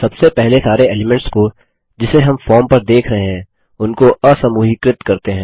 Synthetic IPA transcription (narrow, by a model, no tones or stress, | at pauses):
sɐbsepɛɦlesaːɾeeːlɪmɛ̃ɳʈsko | d͡ʒɪseɦɐmfɔːɾmpɐɾd̪eːkʰɾɐɦeɦɛ̃ː | ʊnkoɐsɐmuːɦɪkɾɪt̪kɐɾt̪eɦɛ̃ː